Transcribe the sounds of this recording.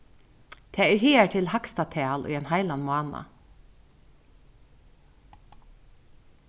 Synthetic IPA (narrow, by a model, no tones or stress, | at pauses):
t̪ʰeːæːɹhiːæʈʰɪlhɑkst̪ɑt̪ʰæːɑlʔɔ̰ːeːnhɑɪlɑnmʊɑːnɑ̰